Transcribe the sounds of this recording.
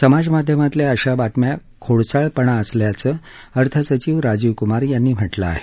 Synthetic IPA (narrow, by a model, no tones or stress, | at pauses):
səmad͡zmad̪ʱjəmat̪ljeəɕabat̪mja | kʰoɭt͡saɭpəɳaəsljat͡səəɾt̪ʰəsət͡ɕiːʋɾad͡ʑiʋkumaɾjanːiːm̤əʈla̰ːɦe